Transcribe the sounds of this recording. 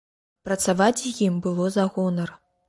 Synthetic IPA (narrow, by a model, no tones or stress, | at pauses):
pɾɐt̪savat͡sʲjimbɨlˠɔzaɣɔnɐr